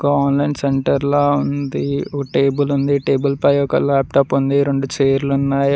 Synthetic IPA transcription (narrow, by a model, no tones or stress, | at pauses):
kaːnlɐɳɖseɳʈɐɾlaːund̪iʈeːbulund̪iʈeːbulpɐjɔkɐ̰laːp̚ʈaːpund̪iɾeɳɖut͡ʃeːɾlunːaːj